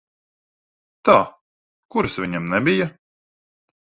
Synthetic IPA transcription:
t̪aː | kuɾsvʲiɲɛmnɛbija

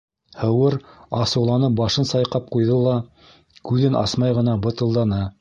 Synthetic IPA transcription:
hɤ̆wɤɾɑsɤ̆wlˠɑnɤp̚bɑʃɤnsɑjqɑp̚qujðɤlˠɑ | kʉðɘnʔɑ̰smɑjʁɤ̆nɑbɤ̆t̪ɤ̆lˠd̪ɑnɤ

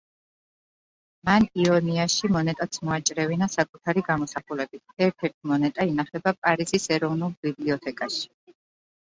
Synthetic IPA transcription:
maniɔniaʃimɔnɛt̪ʼat̪sʰmɔat͡ʃʼɾɛvinasakʼut̪ʰaɾiɡamɔsaχulɛbit̪ʰɛɾt̪ʰɛɾt̪ʰimɔnɛt̪ʼainaχɛbapʼaɾizisɛɾɔvnulˠbibliɔt̪ʰɛkʼaʃi̥

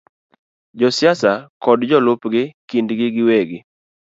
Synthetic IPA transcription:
d͡ʒɔsjasakɔdd͡ʒɔlʊpɡɪkindɡɪɡɪweɡɪ

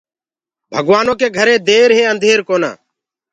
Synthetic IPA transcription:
bʱəɡʋaːnoːkeːɡʱəɾẽːd̪eːɾɦẽːənd̪ʱeːɾkoːna̰ː

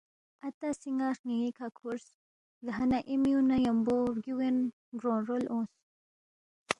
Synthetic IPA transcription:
ɐt̪asiŋɡaɾŋiŋikʰakʰuɾs | ɡɦɐnaʔimiunajɐmboɾɡiwen | ɡɾõːnɾolõːs

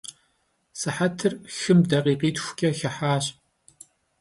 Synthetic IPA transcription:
sɨħatʰɨrxɨmdɐqiːqiːtʰxʷkʲʼɐxɐħaːɕʼ

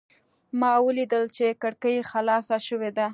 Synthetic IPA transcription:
mɑwəlid̪əlt͡ʃekaɽkəjexalɑsaʃəwed̪a

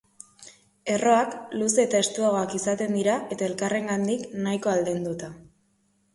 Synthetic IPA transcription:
e̞ro̞akluse̞ːt̪aest̪uaɣ̞o̞akisat̪e̞nd̪iɾaʔe̞t̪ae̞lkare̞ŋɡand̪iknajko̞ald̪end̪ut̪a

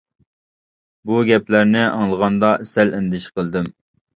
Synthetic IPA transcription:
buɡʲɛplæɾnɪʔɑ̰ŋlˠəʁɑnd̪ɑesɛlɪnd̪ɪʃqəlˠd̪ɪm

